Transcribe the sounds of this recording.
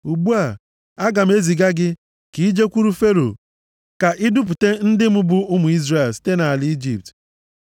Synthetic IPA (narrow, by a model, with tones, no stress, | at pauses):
u˨ɡ͡bu˦a˨ | a˦ɡa˨m̩˦e˦zi˨ɡa˦ɡɪ˦ | ki˨˦d͡ʒe˦kʷu˦ɾu˦fe˦ɾo̰˨ | ka˨ʔɪ˦dʊ˦p̬ʊ˨te˦n̩˦dɪ˦mʊ˦bʊ˨ʊ˦mʊ˨i˦zre˨lsi̥˦te˦na˨a˨lɪ˦i˦d͡ʒi˨p̚t